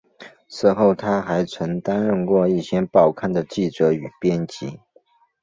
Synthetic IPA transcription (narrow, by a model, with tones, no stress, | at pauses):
ʂɹ̩˥˧xo˥˩ʊt̪ʰa˥xa˧˥ɪt͡sʰwə˧˥ŋt̪a˥nɻə˥˧nkwɔ˥˧i˥˩ɕjɛ˥npɑ˥˩ʊkʰa˥˩nd̪ə˩t͡ɕi˥˩ʈ͡ʂɤ˧˥y˨˩pjɛ˥nt͡ɕi˧˥˦